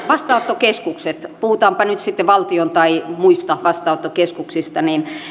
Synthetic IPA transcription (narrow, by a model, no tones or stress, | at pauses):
ʋɑst̪ɑot̪ːokeskukset̪puhut̪ɑːmpɑnyt̪sit̪ːeʋɑlt̪iont̪ɑimuist̪ɑʋɑst̪ɑˑot̪ːokeskuksist̪ɑnin